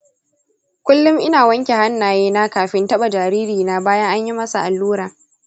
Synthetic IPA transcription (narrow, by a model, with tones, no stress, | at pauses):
kʷʊ˦lːʊ˦mʔɪ˦naː˨wɐ˦ŋkʲe˨ha˦nːaː˨jeː˦naː˦kaː˨ɸɪ˦ntɐ˦ɓa˨d͡ʒaː˨ɾiː˦ɾiː˨naː˦baː˦jɐ˦ŋʔa˦ɲji˦mɐ˦sa˨ʔa˨lːuː˦ɾaː˨